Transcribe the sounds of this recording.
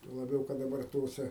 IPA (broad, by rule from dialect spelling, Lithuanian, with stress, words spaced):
tuɔ lˠɐˈbʲɛʊ kɐt dɐˈbɐr ˈtoːsʲɛ